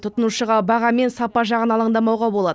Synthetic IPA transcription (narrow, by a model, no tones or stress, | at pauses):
t̪ʰʊt̪ənuʃəʁɑbɑʁɑme̞nsɑpɑʒɑʁənɑlˠəɴd̪ɑmɑwʁɑbolˠɑd̪ə